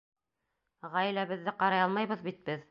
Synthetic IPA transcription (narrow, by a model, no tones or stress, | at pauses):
ʁæjilæβɘ̆ðːɘqɑɾɑjɑlˠmɑjβɤ̆ðbit̪̚bɘð